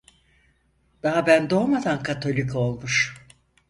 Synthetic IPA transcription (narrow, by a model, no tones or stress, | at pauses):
d̪̥aɦabænd̪o̞ːmad̪ankʰat̪ʰo̞lʲikʰo̞lˠmuʃ